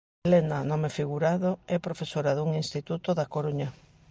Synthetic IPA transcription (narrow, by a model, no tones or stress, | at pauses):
lenanɔmefiɣuɾaðoɛpɾofesoɾaðuŋinst̪it̪ut̪oðakoɾuɲa